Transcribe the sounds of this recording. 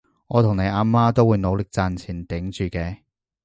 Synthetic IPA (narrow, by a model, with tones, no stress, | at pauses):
ŋɔː˨˧t̪ʰʊ˨˩ŋne˨˧jʔaː˧maː˥t̪o˥wuː˨˧jno˨˧wlɪ˨k̚t͡saː˨˧nt͡sʰiː˨˩nt̪ɪ˨˥ŋt͡ʃyː˨˧kɛː˧